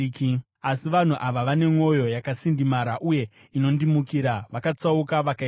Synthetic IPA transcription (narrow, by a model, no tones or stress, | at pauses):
k | asiʋan̤uʔaʋaʋane̞ŋo̞jo̞jakasindimaɾaʔuje̞ | ino̞ndimukiɾaʋakat͡saukaʋaka